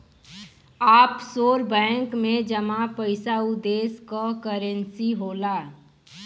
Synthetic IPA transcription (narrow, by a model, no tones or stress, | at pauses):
aːpsoːɾbɛ̃ŋkmẽd͡ʒəmãpəɪsaʊd̪eːskɔkəɾənsiɦoːla